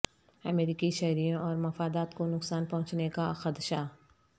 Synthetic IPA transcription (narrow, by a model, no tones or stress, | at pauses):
ɐmeːɾiːkiʃɛɦɾijõʔɔːɾmɐfaːd̪aːt̪konʊksaːnpɐɦʊ̃t͡ʃnekaxəd̪ʃa